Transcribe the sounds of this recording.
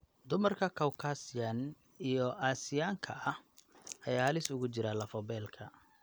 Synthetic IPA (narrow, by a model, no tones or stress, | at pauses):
d̪ʊmɐrkʰɐkʰɐwkʰaːsɪjɐn | ijɔʔaːsɪjaːŋkʰɐɐhʔɐjaːhɐlɪsʊɣʊt͡ʃɪɾalɐfɔbɛːlkʰɐ